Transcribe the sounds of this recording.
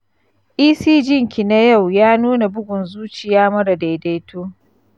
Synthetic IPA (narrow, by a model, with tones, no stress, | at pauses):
ʔiː˦siː˦d͡ʒɪ˦ŋkʲi˨na˦ja˦˨wjaː˦nuː˦na˨bʊ˦ɡʷʊ˨nzuː˦t͡ʃɪ˨jaː˦mɐ˦ɽa˨da˨jda˦jtoː˦